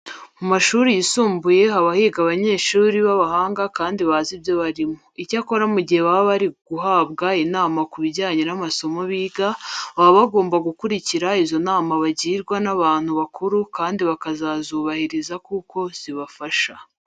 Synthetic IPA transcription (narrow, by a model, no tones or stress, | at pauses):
mumaʃuːɾijisuːmbuje̞ɦaβahiːɡaβaɲe̞ːʃuːɾiβaβahaːŋɡakaːndiβazibjo̞βaɾimoicako̞ɾamuɟihe̞βaβaβaɾiɡ̥uɦaːβɡainaːmakuβiɟaːɲenamaso̞mo̞βiːɡaβaβaβaɡo̞ːmbaɡukuɾiciɾaizo̞naːmaβaɟiːɾɡwanaβaːn̥huβakʰuɾukaːndiβakazazuːβahiɾizakuko̞z̥iβafaʃa